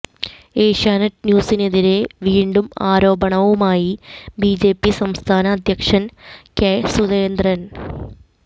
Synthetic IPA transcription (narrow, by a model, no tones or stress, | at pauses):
e̞ːʂaːnɐtnjuːsine̞ðiɾe̞ʋiːɳɖumaːɾo̞ːbɐɳɐʋumaːjibid͡ʑe̞ːpːisɐmst̪ʰaːnɐːd̪ʱjɐkʂɐnkesuðeːnd̪rɐn